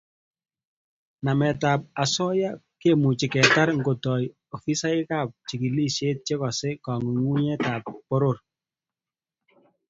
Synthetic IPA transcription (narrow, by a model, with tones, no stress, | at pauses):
na˨mɛ˨ta˨p̚a˨sɔ˦ja˦ | ke˦˨mu˨t͡ʃi˨kɛ˨ta˦ɾŋɡo˨tɔ˨j | o˨fi˦sa˦ɪ˦ka˦˨p̚t͡ʃi˨ki˨li˦ʃe˦t̚t͡ʃe˦kɔ˨se˦kɔ˨ŋu˨ŋu˦ɲɛ˦taː˨pːo˦ɾo˦˨r